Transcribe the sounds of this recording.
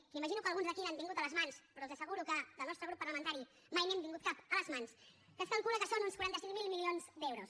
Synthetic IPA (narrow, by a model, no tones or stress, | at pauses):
kiməʒinukəlˠɣunzðəkiambiŋɡut̪ələzmanspɾɔlˠzəsəɣuɾukəðəlnɔst̪ɾəɣɾupːəɾləmənt̪aɾi | majnembiŋɡut̪̚kapələzmans | kət̪kalˠkuləkəsonunskuɾant̪əsiŋmilˠmilionzd̪ewɾus